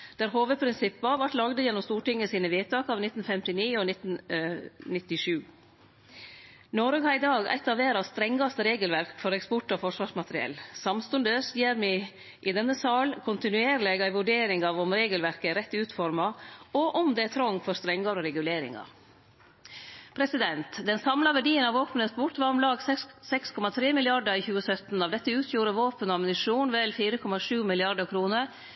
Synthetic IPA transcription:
d̪̥æːɾɦoːʋəpʰɾɪnsɪpːɑʋɑʈlɑɡd̪əjɛnːɔmst̪uːʈɪŋːəsiːnəʋeːt̪ʰɑːkɑːʋnɪt̪n̩fɛmt̪ɪniːɔnɪt̪ːn̩ | nɪt̪ːɪʂʉː | nɔɾɡɑɪd̪ɑːɡæ̰ɪt̪ɑːʋeːɾɑst̪ɾɛŋɡɑst̪əɾeːɡəlʋæɾkfɔɾɛkspɔʈːɔfɔʂʋɑːʂmɑt̪ɾɪɛ̰lsɑmst̪ʉnd̪əsjeːɾmɪ | ʔɪd̪ɛnːəsɑːlkʰʊnt̪ɪnʉeːɾlɛɡæɪʋʉɖeːɾɪŋɑʋɔmɾeːɡəlʋæɾkəɾɛt̪ːʉːt̪fɔɾmɑɔʔɔmd̪ɛæt̪ʰɾɔŋfɔɾst̪ɾɛŋɡɑɾɔɾɛɡʉleːɾɪ̰ŋɑ̰ | pʰɾɛsɪd̪ɛnt̪d̪ɛnsɑmlɑʋæɖiːənɑʋoːpnəsbʊʈʋɑɾɔmlɑːɡssɛkskʰɔmɑt̪ʰɾeːmɪlɪɑɖəɾɪçʉːəsœt̪n̩ɑʋd̪ɛt̪ːəʉːt̪ʰjuːɾəʋoːpənɔɑmnɪʂuːnʋɛlfiːɾəkʰɔmɑʂʉːmɪlɪɑɖəkʰɾuːnəɾ

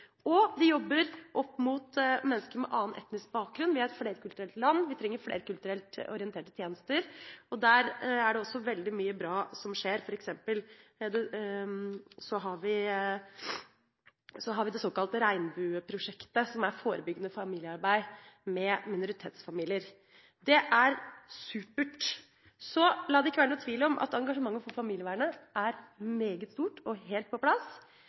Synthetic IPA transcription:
ɔʋ̪ɪjɔbːəɾʔɔpːmʊt̪mɛnːəskəɾmɛ̰ʔɑːənʔɛ̰t̪nɪsk̚bɑːk̚ɡɾʉnʋɪhɑɾɛt̪fleːɾəkʰʉlt̪ɾɛlt̪lɑnːʋɪt̪ʰɾɛŋːəɾflḛːɾəkʉlt̪ʉɾɛlt̪ɔ̰ɾɪɛnt̪ʰeːʈət̪ʰjeːnəst̪əɾɔd̪æːɾæɖɛɔsːɔʋɛld̪ɪmyːəbɾɑːsɔmʂeːɾfɔɾɛksɛmpəld̪ɛ | sɔɦɑɾʋɪ | sɔɦɑɾʋɪd̪ɛsoːkɑlt̪əɾæɪnbʉːpʰɾʊʂɛkt̪əsɔmæɾfoːɾəbʏɡːənəfɑmiːljəɑɾbæɪmɛmɪnʊɾɪt̪ʰeːt̪sfɑmiːlɪəɾ | d̪ɛʔæɾsʉːpəʈ | sɔlɑːd̪ɛɪkːəʋæɳnuːt̪ʰʋiːləɔmʔɑ̰t̪ɑŋɡɑʂəmɑŋːənfɔɾfɑmiːljəʋæːɾɳəʔæɾmeːɡət̪st̪uːʈɔɦeːlt̪̚pʰɔplɑs

